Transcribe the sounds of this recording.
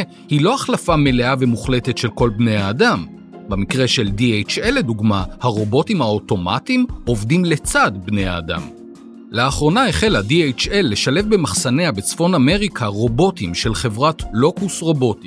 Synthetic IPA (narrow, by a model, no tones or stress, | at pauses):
hilo̞aχlafame̞le̞ave̞muχle̞te̞tʃe̞lko̞lbne̞jaːdam | bemikʁe̞ʃe̞ldiejt͡ʃelːe̞duɡmahaʁo̞bo̞timhao̞to̞ma̰timo̞vdimle̞t͡sadbne̞ja̰ːda̰m | leaχʁo̞naeχe̞ladiejt͡ʃe̞lːe̞ʃale̞fbe̞maχsaneabe̞t͡sfo̞name̞ʁikʰaʁo̞bo̞timʃe̞lχe̞vʁatlo̞kusʁo̞bo̞ti̥